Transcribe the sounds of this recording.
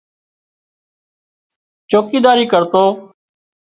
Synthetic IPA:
t͡ʃoːkiːd̪aːɾiːkəɾt̪oː

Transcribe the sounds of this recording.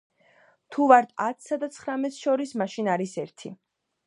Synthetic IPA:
t̪ʰuvaɾt̪ʰat̪ʰsad̪at̪sʰχɾamɛt̪ʰʃɔɾismaʃinaɾisɛɾt̪ʰi

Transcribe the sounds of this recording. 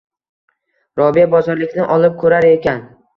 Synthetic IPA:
ɾɒbiabɒzɒɾlɪkʲnɪʔɒlˠɪp̚kʰɵɾaɾe̞kʲan

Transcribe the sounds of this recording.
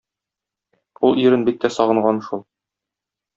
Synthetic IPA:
ulˠiɾɘnbit̪ːæsɒʁɤ̆ɴʁɑnʃulˠ

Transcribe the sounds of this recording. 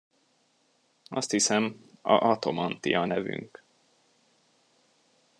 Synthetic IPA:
ɒst̪hisɛmɒɒt̪o̞mɒnt̪ijɒnɛvy̰ŋk

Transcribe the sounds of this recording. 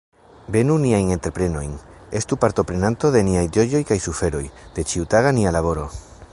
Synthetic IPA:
be̞nuniajne̞nt̪eɾpɾe̞no̞jn | e̞st̪upaɾt̪o̞pɾe̞nant̪o̞ðe̞niajd͡ʒo̞jo̞jkajsufe̞ɾo̞jd̪̥e̞t͡ʃiut̪aɣanialaβo̞ɾo̞

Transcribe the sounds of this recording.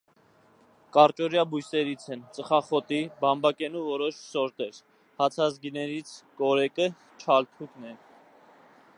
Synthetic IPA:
kɑɾt͡ʃɔɾjɑbujsɛɾit͡sʰɛnt͡səχɑχɔt̪ibɑmbɑkɛnuvɔɾɔʃsɔɾt̪ɛɾ | hɑt͡sʰɑzɡinɛɾit͡sʰkɔɾɛkə | t͡ʃʰɑlt̪ʰuknɛ

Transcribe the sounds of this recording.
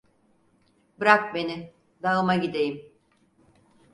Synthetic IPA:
bɯɾak̚be̞nɪ | d̪aɯmaɟid̪ejim

